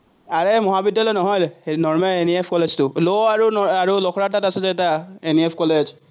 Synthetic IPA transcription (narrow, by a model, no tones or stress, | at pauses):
aɹɛmɔɦabidjalɔjnɔɦɔjlnɔɹmɛleniepʰkɔled͡ʒtʊloaɹunɔaɹulɔkʰɔɹatatasɛzɛɛtaeniepʰkɔlez